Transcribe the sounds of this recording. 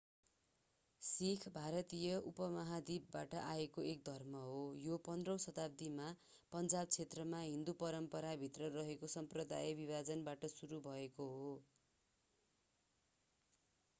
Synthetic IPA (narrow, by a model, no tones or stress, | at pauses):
sikʰbʱaɾʌt̪ijʌʔupʌmʌɦad̪ibːaʈʌʔaekoʔek̚d̪ʱʌrmʌɦojopʌnd̪rʌw̃sʌt̪ab̚d̪ima | pʌnd͡zab̚t͡sʰet̪rʌmaɦĩnd̪upʌɾʌmpʌɾabʱit̪rʌrʌɦekosʌmprʌd̪a̰jebibad͡zʌnbaʈʌsuɾubʱʌekoɦo